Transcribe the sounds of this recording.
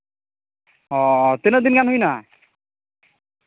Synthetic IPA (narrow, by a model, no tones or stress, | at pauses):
ɔt̪enəd̪inkanɦujna